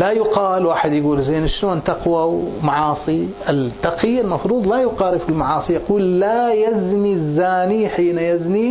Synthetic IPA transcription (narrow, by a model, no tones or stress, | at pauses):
lajʊqɑːlwaːħɪd̪jɪɡuːlzeːnʃɪnoːnt̪ɑqwawmaʕɑːsˤiʔɪlt̪ːɑqɪjːalmɑfɾuːd̪ˤlajʊqɑːɾɪfɪlmaʕɑːsˤijaquːlːajaznizːaːniħiːnajazni